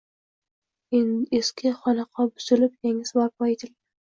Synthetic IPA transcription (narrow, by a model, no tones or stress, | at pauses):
eneskʲʰɪχɒnɑqʰɒbʊzɪlɪpjeŋɪsbɒɾp̚ɑjet̪ʰɪld̪ɪ